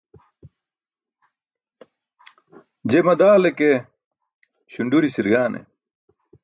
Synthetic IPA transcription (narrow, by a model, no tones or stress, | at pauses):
d͡ʑemɐd̪aːleke | ɕuɳɖuɾisiɾɡaːnʔḛ